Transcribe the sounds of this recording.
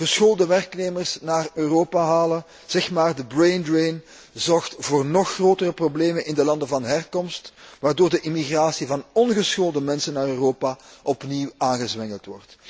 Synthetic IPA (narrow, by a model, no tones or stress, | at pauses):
ɣ̥əsxoːlˠdəʋɛrkneːmərsnaːrøːroːpaɦaːlən | z̥ɛxmaːrdəbrejndrejn | zɔrxtvoːrnɔxroːtərəprobleːmənʔɪndəlɑndəvɑnɦɛrkɔmstʋaːrdoːrdəʔɪmiɣraːsivɑnɔnɣəsxoːlˠdəmɛnsənːaːrøːroːpaʔɔpniwaːnɣəzʋɛŋəlˠtʋɔrt